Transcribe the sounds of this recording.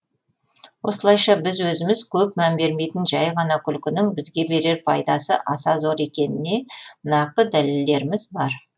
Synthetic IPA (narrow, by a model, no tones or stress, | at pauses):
wo̞səlˠɑjʃɑbɪzwɵzɪmɪz̥kʲʰɵp̚mæmbe̞ɾme̞jt̪ɪnʒɑjʁɑnɑkʲʰʏlkʲɪnɪŋbɪzɡʲe̞be̞ɾe̞ɾpʰɑjd̪ɑsə̰ʔɑsɑzo̞ɾe̞kʲe̞nɪne̞nɑq̚t̪əd̪æleld̪e̞ɾɪmɪzbɑɾ